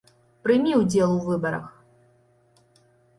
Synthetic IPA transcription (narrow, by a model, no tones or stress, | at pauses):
pɾɨmʲiudʲd͡zʲelˠuvɨbɐɾɐ̰x